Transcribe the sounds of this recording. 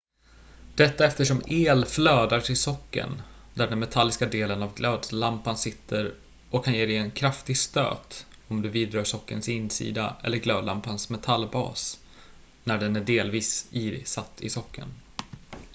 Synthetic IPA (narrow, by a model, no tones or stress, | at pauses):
d̪̥ɛt̪ːaɛft̪əʂɔmeːlfløːd̪aʂɪsɔkːə̰n | d̪æɖɛnmɛt̪ʰalːɪskad̪eːlənavɡløːd̪lampansɪt̪ʰːəɾ | ʔɔkʰːanjeːd̪ɛɛnkʰɾaft̪ɪɡst̪ø̰ːt̪ | ɔmd̪ɵviːd̪ɾɑːʂɔkːə̰nsɪnːsḭːd̪aʔɛ̰lːəɾɡløːd̪lampansmɛt̪ʰalːbɑ̰ːs | næɖɛnæɖeːlviːsiːsat̪ːɪ̰sɔkʰːə̰n